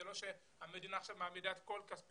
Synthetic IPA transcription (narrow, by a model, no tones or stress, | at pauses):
elo̞ʃe | hamedinaːχʃavmaːmidaet̪ko̞lkasp